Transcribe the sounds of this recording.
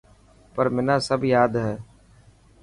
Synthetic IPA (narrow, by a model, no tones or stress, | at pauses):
pəɾmɪnãːsəbʱjaːd̪ɦɛː